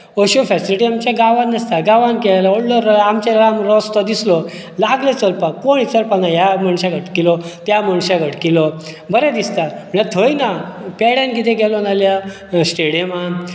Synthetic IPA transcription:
oɕofɛsiliʈiamt͡ɕjaɡaʋanəst̪aɡaʋankɛlaoɽlɔɾamt͡ɕaɾamɾɔst̪ɔd̪islɔ | laɡlət͡səlpakoɽ̃it͡səlpãŋɡajaməɳɕaɡʱəʈkilɔt̪jaməɳɕaɡʱəʈkilɔ | bəɾɛd̪ist̪aməɳjat̪ʰojinapɛɽankit̪ʰẽɡɛlɔnalja | sʈeɽiema

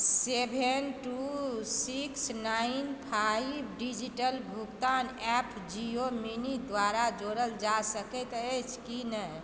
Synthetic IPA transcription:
sebʱenʈusiksnainpʰajibɖid͡ʒiʈəlbʱukt̪anɛpʰd͡ʒiominid̪waɾad͡ʒoɾəld͡ʒasəkɛt̪et͡ʃʰkinəj

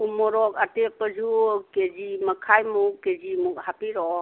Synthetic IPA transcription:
umɔɾɔk̚atepəd͡ʒuked͡ʒimɐkʰajmuked͡ʒimuk̚hapiɾɔ

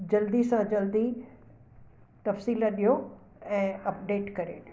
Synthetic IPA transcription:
d͡ʑɐld̪isãd͡ʑɐld̪i | t̪ɐfsiːlɐɗijo | ɛ̃ːɐpɖeːʈkɐɾḛː

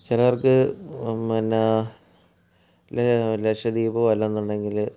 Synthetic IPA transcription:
t͡ɕilɐʋɐrkɨmɐna | lelekʂɐd̪iːbɐɐlːɐnːaɳɖe̞ŋɡil

